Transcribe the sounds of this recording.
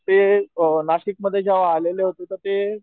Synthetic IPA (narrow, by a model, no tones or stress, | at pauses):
t̪enaɕik̚məd̪ʱːjed͡ʑjaʋaɦleleɦot̪et̪əɾt̪e